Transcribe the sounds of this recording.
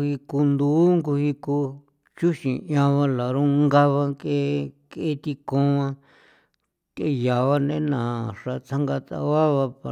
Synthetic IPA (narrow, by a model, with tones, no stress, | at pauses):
hi˧ku˧nd̪u˦ŋɡu˧hi˧ku˧ | t͡ʃu˦ʃĩ˨˧ã˧βã˧la˨ɾũ˦ŋɡa˦βa˧ke˦ke˦t̪i˧kõ˦˧ã˧ | ke˦ja˨βa˦nḛ̃˦nã˨ʂa˧t͡s̪ʰa˦ŋɡa˧t̪a̰˧βa˦βa˧pa˧